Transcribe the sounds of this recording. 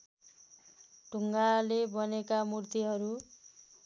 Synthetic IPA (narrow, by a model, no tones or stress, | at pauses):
ɖʱuŋɡalebʌnekamurt̪iɦʌɾu